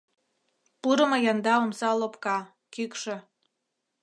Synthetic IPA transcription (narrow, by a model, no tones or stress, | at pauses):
puɾə̆mɤjɑnd̪ɑomsɑlopkɑ | kykʃĕ